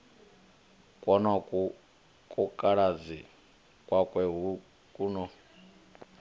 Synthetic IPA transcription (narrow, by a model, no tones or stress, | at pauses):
kʼwɔnakʼu | kʼukʼaɺad͡zi | kʼwakʼwɛɦu | kʼunɔ